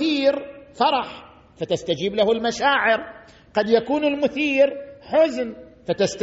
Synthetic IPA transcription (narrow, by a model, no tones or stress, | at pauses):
iːɾfɑɾˤɑħ | fat̪ast̪ad͡ʒiːblahʊlmaʃaːʕɪɾ | qɑd̪jakuːnɪlmʊθiːɾħʊzn | fat̪ast̪